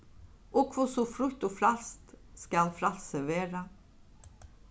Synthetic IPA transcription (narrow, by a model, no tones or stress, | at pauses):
ʔɔkʰʋʊsɔfɾʉt̪ofɾalst̪skalfɾalsəʋeːɾa